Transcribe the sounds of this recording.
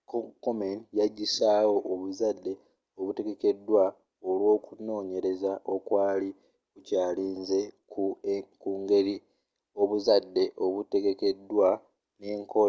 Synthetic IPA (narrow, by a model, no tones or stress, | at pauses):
kokomenjaɟːisaːwo̞ʔoβuzadːe̞ | oβute̞ɡe̞ke̞dːwa | olwo̞ːkuno̞ːɲe̞ɾe̞zaʔo̞kwaːli | kucaːliːnze̞kukuːŋɡe̞ɾi | o̞βuzadːe̞ʔo̞βute̞ɡe̞ke̞dːwa | ne̞ːŋkʰo